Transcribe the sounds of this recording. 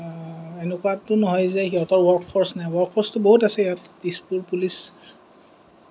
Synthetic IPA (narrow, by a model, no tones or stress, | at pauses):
enɛkuatʊnɔɦɔjzɛxiɦɔtɔɹwɔɹkfʰɔɹsnajwɔɹkfʰɔɹstʊboɦutasɛatdispuɹpulis